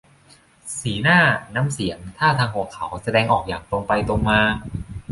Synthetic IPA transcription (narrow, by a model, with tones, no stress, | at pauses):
siː˩˦naː˥˩naː˦˥msi˩˦əŋt̪ʰaː˥˩t̪ʰaː˧ŋhu˧˩kʰa˩˦wsa˧dɛː˧ŋʔɔː˨˩k̚jaː˨˩ŋt̪o˧ŋpa˧jt̪o˧ŋmaː˧